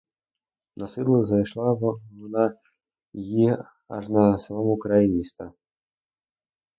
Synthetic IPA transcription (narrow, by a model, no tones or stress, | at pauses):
nasɨlˠɨɣzajʂlˠavna | ji | a̰ʐnasɐmamukɾainʲist̪ɐ